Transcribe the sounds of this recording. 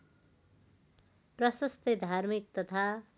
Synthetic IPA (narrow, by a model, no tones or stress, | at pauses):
prʌsʌst̪ed̪ʱarmik̚t̪ʌt̪ʰa